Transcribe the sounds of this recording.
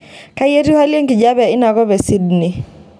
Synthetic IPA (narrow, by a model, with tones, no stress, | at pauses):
ka˦jɛ˦ɾi˦ha˦li˦ɛ˦ŋki˨d͡ʒa˦βɛ˨i˦na˨kɔ˦βɛ˨si˦dni˨